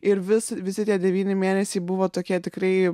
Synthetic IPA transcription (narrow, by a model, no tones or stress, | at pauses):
ɪɾʋʲɪsʋʲɪsʲɪt̪ʲiɛd̪ʲɛʋʲiːnʲɪmʲeːnʲɛsʲeːbʊʋoːt̪oːkʲiɛt̪ʲɪkrɐɪ